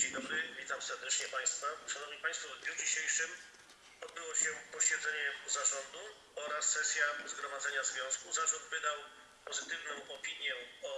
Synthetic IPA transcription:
d͡ʑeɲd̪ɔbɾɘvʲit̪amsɛɾd̪ɛt͡ʂɲɛpaj̃st̪faʂanɔvɲipãj̃st̪fɔvd̪ʲɲud͡ʑiɕejʂɘm | ɔd̪̚bɘwɔɕɛpɔɕɛd̪zɛɲɛzaʐɔnd̪u | ɔɾasːɛsʲjazɡɾɔmad̪zɛɲazvʲjɔ̃skuzat̪ɔ̃w̃vɘd̪aw | pɔzɘt̪ɘvnɔ̃w̃ʔɔpʲiɲjɛɔ

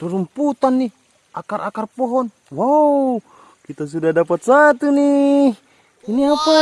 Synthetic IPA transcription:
rərumput̪anːi | ʔakarʔakarpɔɦɔn | waw | kit̪as̬udahdapat̪̚sat̪uni | iniapa

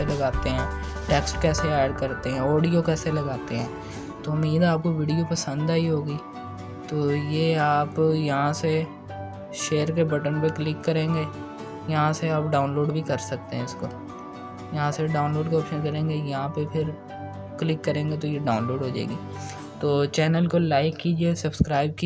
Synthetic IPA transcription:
elɐɡaːt̪eɦɛ̃ːʈɛːksʈkɛːseɛːɖkɐɾt̪eɦɛ̃ːoːɖijokɛːselɐɡaːt̪eɦɛ̃ː | t̪oʊmːiːd̪aːp̚koʋiːɖijopɐsə̃nd̪ɛɦiɦoːɡiː | t̪oːjeːaːpjɐɦãse | ʃeːəɾkebɐʈənpeklɪkːɐɾẽːŋɡeː | jɐɦãseaːp̚ɖaːʊnloːɖbʱikɐɾsɐk̚t̪eɦɛ̃ʊsko | jɐɦãseɖaːʊnloːɖkeɔːpʃənkɐɾẽːŋɡejɐɦãpepʰɪɾ | klɪkːɐɾẽːŋɡet̪̬ojeɖaːʊnloːɖɦoːd͡ʒa̰eːɡḭː | t̪oːt͡ʃɛːnəlkolaːɪkːiːd͡ʒiesɐbskɾaːɪb̚ki

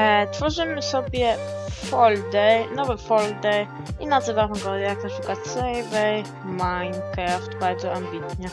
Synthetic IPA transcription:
ɛt̪fɔʐɘmɘsɔbʲjɛfɔld̪ɛjnɔvɛfɔld̪ɛj | ʔinazəvaʁɔŋɡɔd̪jakafikat̪sɛjvɛj | majnkɾaft̪baɾzɔambit̪ɲɛ

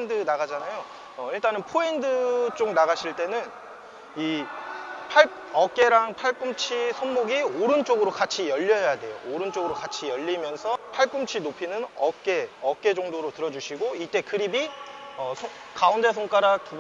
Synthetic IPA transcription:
ndɯnaɡad͡ʑanajo | ʌiɭt͈anɯnpʰoendɯt͡ɕ͈oŋnaɣaɕʰiɭt͈e̞nɯn | i | pʰaɭ | ʌk͈e̞ɾaŋpʰaɭk͈umt͡ɕʰisʰonmoɡioɾɯnt͡ɕ͈oɡɯɾokat͡ɕʰijʌʎːʌjadwe̞jo̰oɾɯnt͡ɕ͈oɡɯɾokat͡ɕʰijʌʎːimjʌnsʰʌpʰaɭk͈umt͡ɕʰinopʰinɯnʌk͈e̞ʌk͈e̞d͡ʑʌŋdoɾotɯɾʌd͡ʑuɕʰiɡoit͈e̞kɯɾibiʌsʰo | kaunde̞sʰoŋk͈aɾatu

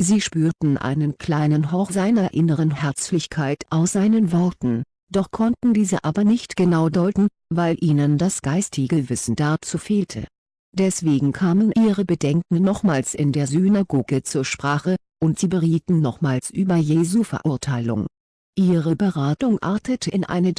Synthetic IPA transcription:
ziːʃpyːɐtn̩ʔa̰ɪnənkʰl̥aɪnənɦɔχz̥aɪnɐʔɪnəʁ̞ənhɛɐt͡slɪçkʰaɪtʰʔaʊsz̥aɪnənvɔɐtn̩ | d̥ɔχkʰɔntn̩diːzəʔaːbɐnɪçtɡ̥ənaʊdɔʏtn̩ | vaɪlʔiːnəndasɡ̥aɪstʰɪɡəvɪsn̩d̥aɐt͡suːfeːltʰə̰ | d̥ɛsv̥eːɡŋ̩kʰaːmənʔiːʁəbədɛŋkŋ̩nɔχmaːlsʔɪ̰ndeːɐzynaɡoːɡət͡suːɐʃpʁ̥aːχə | ʔʊntz̥iːbəʁiːtn̩nɔχmaːlsʔyːbɐjeːzufɛɐʔʊɐtʰaɪlʊ̰ŋ | ʔiːʁəbəʁaːtʊŋʔa̰ɐtʰətəɪnʔa̰ɪnə

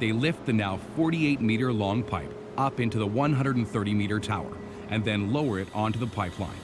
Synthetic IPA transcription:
ðeɪlɪft̪̚ðɨnaʊfɔɹɾieɪt̚miɾə˞lɔ̃ŋpʰaɪp | ʌpɪ̃ntʉðəwʌ̃nɦʌ̃ndəɾn̩θɜ˞ɾimiɾə˞tʰaʊə̰˞ | ʔɨ̃nðɨ̃nloʊə˞ɨɾɑ̃ntuðəpʰaɪpʰlˠã̰ɪ̃n

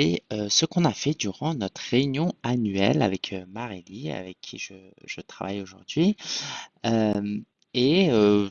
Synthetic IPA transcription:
eøsəkɔ̃nafɛd̪yʁɑ̃nɔt̪χʁeynjɔ̃anɥɛ̰la̰vɛkʰømaʁelia̰vɛkʰːiʒə | ʒ̥ət̪χa̰vajoʒuʁd̪ɥi | øm | eø

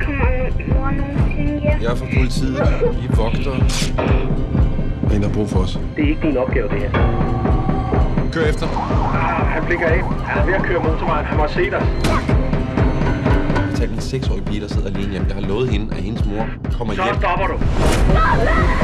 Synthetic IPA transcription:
kʰ | jɑɐfɒpʰo̝lit͡sʰið̰ˠʋiʋɒ̽ɡ̥d̥ɐ | hendhɑb̥ʁṵːfɒɒs | d̥eæɐe̝ɡ̥d̥inɒ̽b̥̚ɡ̥ɛːʊd̥e̝heɐ̰ | kʰøɐefd̥ɐ | hænb̥leɡ̥ɐen | hænæɐʋe̝ækʰøːɐmot͡sʰɔmɑ̈ɪnhænmɑse̝̰ːd̥ɑ | t͡sʰɛ̰ːld̥minseɡ̥sɒ̰ːipʰiːd̥ɐse̝ð̞̰ˠæleːnjæmjɑ̈ɪhɑ̈lɔ̽ːð̩ˠhe̝nəʔæhe̝nəsmo̝ɐ̰ | kʰɒ̽m̰ɐsemd̥ɒb̥ɐɾ̥u

